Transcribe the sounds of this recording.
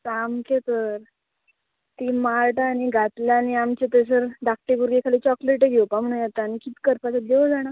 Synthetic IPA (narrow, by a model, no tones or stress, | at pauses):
kamkʰet̪əɾ | t̪iːmaɾʈaɽ̃iɡʱat̪laːñiamt͡ɕet̪es̬əɾɖak̚ʈiɡuɾɡekʰaliːt͡ɕɔkleʈeɡʱewpam̤əɳ̃ũjat̪aːnikit̪kəɾpat͡sad̪eəd͡zaɽ̃a